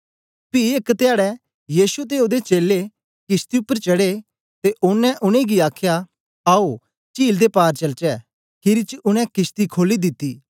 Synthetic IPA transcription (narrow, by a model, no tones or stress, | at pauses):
piɪkt̪ɪjaːɽɛ | jiːsut̪̬eoːd̪et͡ʃeːlːe | kɪst̪iʊpːəɾt͡ʃɐɽe | t̪eʔʊnːɛ̃ʔʊñẽɡiaːkʰja | aːo | t͡ʃiːld̪epaːɾt͡ʃɐlt͡ʃɛ | kʰɪɾit͡ʃʊnɛ̃kɪst̪ikʰoːlid̪ɪt̪ːiː